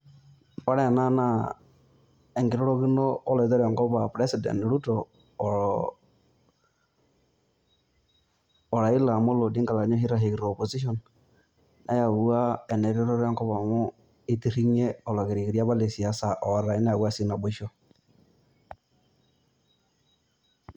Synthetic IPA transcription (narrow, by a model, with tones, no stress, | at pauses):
a˦ɾɛ˦˨na˦na˦ | ɛ˨ŋɡi˨ɾɔ˦ɾo˦ɣi˦noː˦lɔ˨zɛ˦ɾɔ˨ŋkɔ˦βa˨pɾe˦si˨dɛ̰˨n˨ɾu˦tɔ˨ | ɔ˨ɾa˨i˦la˨mo˦lo˨di˦ŋka˨la˨ɲo˦i˦ɾa˨ɦe˨ɣi˨ɾo˨po˨si˦ʃɔ˨n | nʔa̰˦ja˨wu˦a˦ɛ˨nɛ˨ɾi˦ɾɔ˦ɾɔ˦ŋkɔ˦βa˨mu˦ | i˦ti˦ɾi˦ɲe˦ɔ˨la˨ɣi˨ɾi˨ɣi˨ɾja˦βa˦le˨si˨a˨˦sa˨ʔɔ˨ɾa˨i˦na˦a˨wa˦si˦na˨bu˦ʃɔ˦